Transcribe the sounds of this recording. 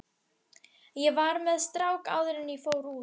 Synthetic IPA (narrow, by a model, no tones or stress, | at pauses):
jɛvaɾmɛðst̪ɾawka̰ːwðʏɾɪnifoːwɾuː